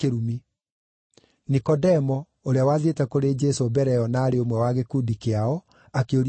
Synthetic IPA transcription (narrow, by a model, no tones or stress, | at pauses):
eɾumi | nikɔdɛmɔ | oɾeawaðietɛkoɾed͡ʒɛsobɛɾɛɔnaːɾeomwɛwaɣekudikeaɔ | akeoɾ